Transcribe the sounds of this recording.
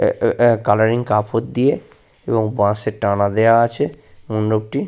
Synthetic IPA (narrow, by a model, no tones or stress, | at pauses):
kalaɾiŋkapʰot̪̚d̪ije | eboŋbãseʈanad̪ejaat͡ɕʰemunɖob̚ʈi